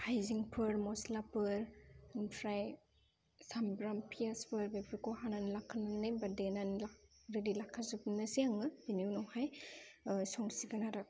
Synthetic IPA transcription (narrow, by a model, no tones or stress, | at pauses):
hajziŋpʰɯɾmɔslapɯɾnpʰɾaj | sambɾampʰiaspʰɯɾbepikoɦananlakʰːananebadenanlakɾedilakʰːazupnɯsiaŋɯbinuwnɔwhaj | sɔŋsiɡanaɾɯk̚